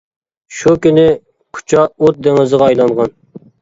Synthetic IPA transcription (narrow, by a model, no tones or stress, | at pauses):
ʃukʲynɪ | qʰʊ̥t͡ʃʰɑot̪̚d̪eŋɪzəʁɑɑjlˠɑŋʁɑn